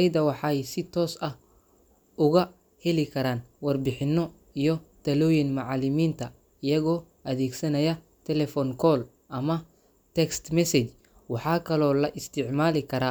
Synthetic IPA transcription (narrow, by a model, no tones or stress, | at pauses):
ɐjd̪ɐwɑħɑːjsɪt̪ʰɔːsɐh | ʊɣɐ | hɛlɪkʰɐɾaːnwɐrbɪħɪnːɔ | ijɔt̪ʰɐlɔːjɪnmaʕɑlɪmiːnt̪ʰɐ | ɪjɐɣɔː | ʔɐðeːɡsɐnɐjɐ | t̪ʰɛlɛfɔnkʰɔːl | ʔɐmɐ | t̪ʰɛkst̪mɛsɛt͡ʃ | wɑħɑːkʰɐlɔːlɐʔɪst̪ʰɪʕmaːlɪkʰɐɾaː